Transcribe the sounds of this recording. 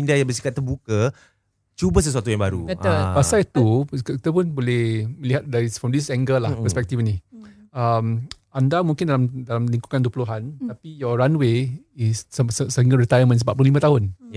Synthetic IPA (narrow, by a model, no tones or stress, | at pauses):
indajãŋbəs̬i̥kat̪̚ːərbuka | t͡ʃubas̬əsuat̪ujãŋbaɾṵat̪apasajt̪ukit̪apʊnbolɛhməliɦat̪̚daɾifɾɔmdisɛŋɡəlahpəspɛk̚t̪ifni | əm | andamuŋkɪndalamdalamliŋkukanduəpuluɦant̪apijɔɹanwe | isssəiŋɡaɾit̪ajmə̃nsəmpat̪̚pululimãt̪aɦʊn